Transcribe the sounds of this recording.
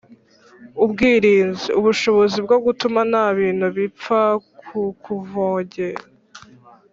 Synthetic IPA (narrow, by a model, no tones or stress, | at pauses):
ubɡiːɾiːnziuβuʃo̞βo̞zibɡoɡutumanaβiːn̥huβip͡fakʰukuvoːɲɟe̞ːɾa